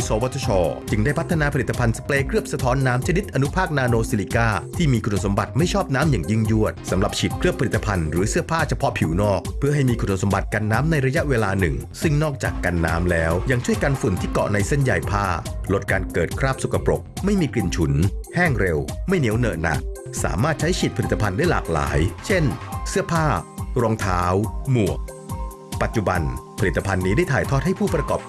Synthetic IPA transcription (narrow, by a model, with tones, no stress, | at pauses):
soː˨˦wa˦˥t̪ʰːa˧t͡ɕʰɔː˧t͡ɕɯ˧ŋdaː˥˩jpʰa˦˥t̪ʰːa˧naː˧pʰa˧li˨˩t̪ːa˧pʰa˧nsḁ˧pleː˧kʰɾɯ˥˩p̚sa˧t̪ʰɔː˦˥nːaː˦˥mt͡ɕʰa˧ni˦˥t̪̚ʔa˧nu˦˥pʰaː˥˩k̚naː˧noː˧siː˧liː˧kaː˥˩t̪ʰiː˥˩miː˧kʰu˧no˨˧˨nso˩˦mba˨˩t̪̚ma˥˩jt͡ɕʰɔː˥˩p̚naː˦˥mjaː˨˩ŋji˥˩ŋju˥˩ət̪̚sa˩˦mla˨˩p̚t͡ɕʰi˨˩t̪̚kʰɾɯ˥˩əpʰːa˧li˨˩t̪ːa˧pʰa˧nɾɯː˩˦sɯ˥˩ɐpʰaː˥˩t͡ɕʰa˧pʰɔ˦˥pʰi˨˩˦wnɔː˥˩k̚pʰɯ˥ɐɦa˥˩jmiː˧kʰu˧no˧˨so˨˦ba˨˩t̪̚ka˧nːaː˦˥mna˧jɾa˧ja˦˥ʔweː˧laː˧nɯ̰˨˩ŋsɯ˥˩ŋnɔː˥˩k̚t͡ɕaː˨˩kːa˧nːa̰ː˦˥mlɛː˦˥wjaː˨˩ŋt͡ɕʰu˥˩əjkaː˧nfu˨˩nt̪ʰiː˥˩kɔ̰˨˩na˧jse˥˩nja˧jpʰaː˥˩lo˦˥t̪̚kaː˧nkɤː˨˩t̪̚kʰɾaː˥˩p̚su˨kʰa˧pɾo˨˩k̚ma˥˩jmiː˧kli˧nt͡ɕʰu˨˩˦nhɛː˥˩ŋɾe˧wma˥˩jni˦˥əwnɤ̰ː˨˩na̰˨˩k̚ | sa̰ː˩˦maː˥˩t̪̚t͡ɕʰa˦˥jt͡ɕʰi˨˩t̪̚pʰa˧li˨˩t̪ːa˧pʰa˧ndaː˥˩jlaː˨˩k̚la̰ː˩˦jt͡ɕʰe˥˩nsɯ˥˩əpʰaː˥˩ɾɔː˧ŋt̪ʰaː˦˥wmu˨˩ək̚ | pa˨˩t̪̚t͡ɕu˨˩ba˧npʰa˧li˨˩t̪ːa˧pʰa˧nːiː˦˥da˥˩jt̪ʰaː˨˩jt̪ʰɔː˥˩t̪̚ha˥˩jpʰuː˥˩pɾa˧kɔː˨˩p̚